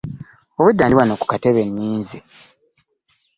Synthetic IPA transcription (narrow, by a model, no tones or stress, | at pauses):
oβudːaːndiwanoku̥kateβe̞nːiːnzi